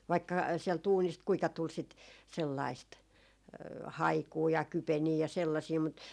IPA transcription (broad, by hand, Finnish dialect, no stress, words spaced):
ʋɑikːɑ siɛlt uːnist kuikɑ tul sit selːɑist hɑikuː jɑ kypeniː jɑ selːɑsiː mut